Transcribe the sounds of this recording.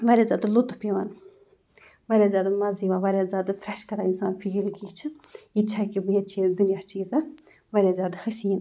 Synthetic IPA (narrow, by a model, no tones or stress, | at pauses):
ʋɐɾʲjaːzʲjaːd̪lut̪upeʋaːn | ʋaɾʲjaːzʲjaːd̪amɐzd̪iʋaːʋɐɾʲjaːzʲjaːd̪afɾɛʃkɐɾaːinsaːnfiilkit͡ʃʰɨ | it͡ʃʰakibjet͡ʃʰid̪unjast͡ʃʰiizɐ | ʋɐɾʲjaːzʲaːd̪həsiin